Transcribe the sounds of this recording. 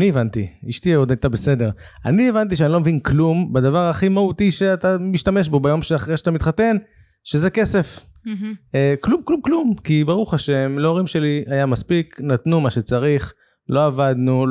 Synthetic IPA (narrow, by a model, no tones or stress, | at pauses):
nievant̪ḭiʃt̪iod̪ajt̪abe̞se̞d̪e̞ʁ | a̰nievant̪̬iʃeanilo̞mevinklumbad̪avaʁaχimaut̪iʃeat̪amiʃt̪ame̞ʃbo̞bajo̞mʃeaχʁejʃat̪amit̪χat̪e̞n | ʃezeke̞se̞f | eklumklumklumkibaʁuχaʃemleoʁimʃe̞liajamaspiknat̪numaʃet͡saʁiχ | lʔo̞avad̪nu